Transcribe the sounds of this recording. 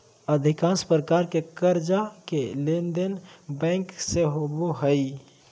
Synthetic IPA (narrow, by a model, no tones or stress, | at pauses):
əd̪ʱikãnspɾəkaɾkekəɾd͡ʒakelend̪enbɛ̃ŋkseɦoboɦəɪ